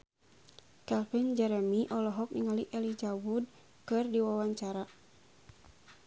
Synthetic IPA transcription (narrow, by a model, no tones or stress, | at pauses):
kɛlfind͡ʒɛɾɛmiʔɔlɔɦɔk̚niŋaliʔɛlid͡ʒawud̚ | kɨrdiwawaɲt͡ʃaɾa